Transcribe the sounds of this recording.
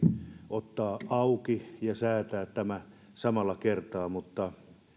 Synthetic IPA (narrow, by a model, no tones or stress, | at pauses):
ʔot̪ːɑːɑukijɑsæːt̪æːtt̪æmæ | sɑmɑlːˑɑkert̪ɑːmut̪ːɑ